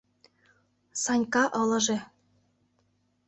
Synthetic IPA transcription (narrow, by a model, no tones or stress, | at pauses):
sɑnʲkɑʔɤ̆lɤ̆ʒĕ